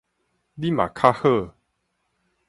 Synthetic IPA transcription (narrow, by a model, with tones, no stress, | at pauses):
li˦ma̰˨kʰa˦hə˥˧˨